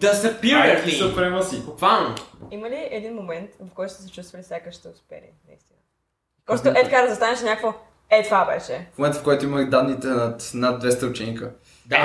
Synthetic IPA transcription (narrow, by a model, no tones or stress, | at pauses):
d̪ɐsɛpiɾiʃɛot̪vɾɛməsibʊkvalˠnoiməliʔɛd̪inmomɛnt̪vɐfkɔjt̪ʊ̥sɛsɛt͡ʃust̪vəlifsʲjakəʃt̪ɛʊspɛ̰lḭnɐ̰ḭst̪inə | kɾoʃt̪oʔɛt̪ɐkaɾəzɐst̪anɛʃɛnʲakkvo | ɛt̪vabɛ̰ʃɛmomɛnt̪fkɔjt̪oiməlid̪ad̪nit̪ɛnat̪nad̪̚d̪vɛst̪əʊt͡ʃɛnkə | d̪a